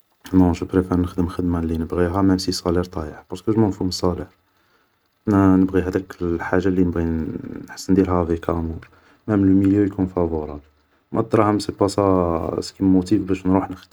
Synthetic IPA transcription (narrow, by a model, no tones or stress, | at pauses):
nɔ̃ʒəpɾefæɾnəxd̪əmxəd̪malinəbɣiɦæmæmsisˤɑliɾt̪ˤɑjəħbɑɾˤskəʒmænfuməsˤɑləħ | nænəbɣihæd̪ækəlħaʒːalinəbɣinħḁsːənd̪ilɦævikʰæmuɾ | mæmnəməljøjkunfævuɾˤɑ | mæd̪ˤɾˤɑʕəmsəpæsɑskimut̪ibbæʃnɾuħnəxd̪ə